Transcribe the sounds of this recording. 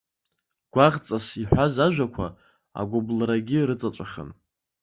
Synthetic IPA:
ɡ̥ʷaʁt͡sʼasiħʷazaʒᶣʷakʷʰa̰ | a̰ɡʷoblaɾaɡʲiɾɨt͡sʼat͡ʃʷʼaχʲə̰n

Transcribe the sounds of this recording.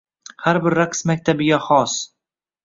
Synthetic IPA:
haɾbɪɾːaqsmak̚ʲt̪ʰabɪɡʲaχɒs

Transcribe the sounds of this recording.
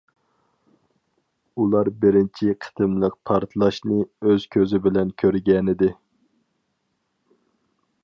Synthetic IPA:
ulˠɑɾbɪɾɪnt͡ʃʰiqʰə̥t̪ʰɨmlˠəq̚pʰɑɾt̪ʰɨlˠɑʃnɨøz̥kʲʰøzɪbɪlɛnkʲʰøɾɡʲɛnɪd̪ɪ

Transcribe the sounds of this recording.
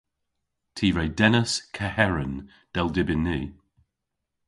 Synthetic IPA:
tʰiːɹejdɛnəskʰəhɛɹən | d̥ɛlˠdɪbɪnːiː

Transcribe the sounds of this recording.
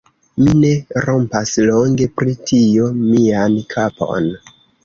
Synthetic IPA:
mine̞ɾo̞mpaslo̞ŋɡe̞pɾitʰiomiankʰapʰo̞̰n

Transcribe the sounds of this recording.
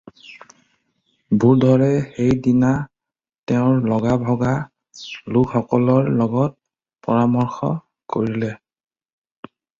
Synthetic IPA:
bʱuɹdʱɔɹɛxejdina | tɛʊ̃ɹlɔɡabʱɔɡa | lukxɔkɔlɔɹlɔɡɔt̚ | pɔɹamɔɹxɔ̰ | koɹilɛ

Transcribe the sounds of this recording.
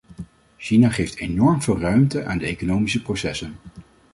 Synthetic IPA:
ʃinaχejftenɔɹmv̥ɪːlˠrœɥmtəʔa̰ːndəḛjkonowmisəprosɛsən

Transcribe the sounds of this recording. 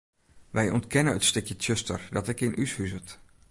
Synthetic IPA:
ʋɛjɔntkɛnəətstɵkjətʰjøstə̰rdɑtɪkɪnʔyshyzət

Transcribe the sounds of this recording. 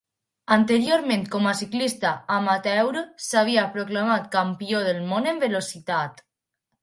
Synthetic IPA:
ant̪eɾjoɾmẽnt̪kɔmasiklist̪aːmat̪ɛwɾosaβ̞iapɾoklamat̪kampioðəlmonembelosit̪at̪

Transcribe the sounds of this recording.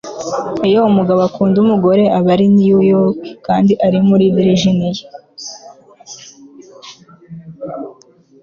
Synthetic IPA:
ijoumuɡaβakuːndumuɡo̞ɾe̞ʔaβaɾinijujokikaːndiʔaɾimuɾidiɾiʒinije

